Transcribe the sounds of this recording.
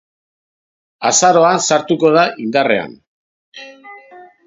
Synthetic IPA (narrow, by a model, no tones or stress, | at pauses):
a̰saɾo̞ansaɾt̪uko̞ð̞aʔind̪are̞̰a̰n